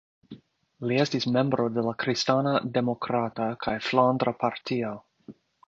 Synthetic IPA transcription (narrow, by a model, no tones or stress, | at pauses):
lie̞stisme̞mbɾo̞de̞lakɾistanade̞mo̞kɾatakʰajflandɾapʰaɾtʰio